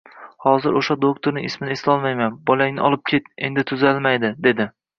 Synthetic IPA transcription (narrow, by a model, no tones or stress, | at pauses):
hɒzɪɾoʃad̪okt̪ʰoɾnɪŋʔɪsmɪneslɒlˠmajmanbɒlaŋnɪʔɒlˠɪp̚kʲʰe̞t̪̚e̞̰nd̪ɪt̪ʰʊzalmajd̪ɪd̪e̞d̪ɪ